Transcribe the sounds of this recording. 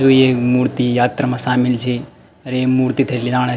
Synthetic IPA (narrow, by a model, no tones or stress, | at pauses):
d͡ʒoiemuɾt̪ijat̪ɾamãʃamilt͡ʃʰe | əɾeːmuɾt̪it̪ʰəelid͡ʒaɽ̃a